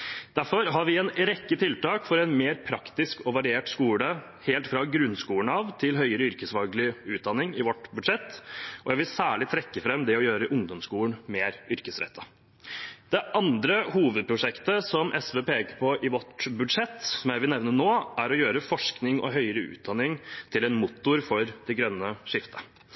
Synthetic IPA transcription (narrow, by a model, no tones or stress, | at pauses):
d̪̥æɾfɔɾɦɑɾʋɪɛnɾɛkːət̪ʰɪlt̪ɑːkfɔɾɛnmeːɾpʰɾɑkt̪ɪskɔʋɑɾɪeːʈskuːlə | heːlt̪fɾɑɡɾʉnːskuːəɳɑʋt̪ʰɪlɦœʏəɾəʏɾkəsʋɑlɡɭɪʉːd̪ɑnːɪŋɪʋɔʈbʉd̪ʂɛt̪ːʔɔjæɪʋɪlsæːɭɪt̪ʰɾɛkːəfɾɛmd̪ɛɔjøːɾəʔʊŋd̪ɔmskuːləɳmeːɾʏɾkəsɾɛ̰t̪ʰːə | d̪̥ɛʔɑnd̪ɾəhuːʋəd̪̚pʰɾʊʂɛkt̪əsɔmʔɛsʋəpʰeːkəɾpʰɔʔɪʋɔʈbʉd̪ʂɛt̪ːssɔmjæɪʋɪlnɛʋnənoːæɾɔjøːɾəfɔʂknɪŋɔ̰ɦœʏəɾəʉ̰ːt̪̚d̪ɑnɪŋt̪ʰɪlɛnmʊt̪ːʊɾfɔɾd̪̥ɛɡɾœnːəʂɪft̪ʰə̥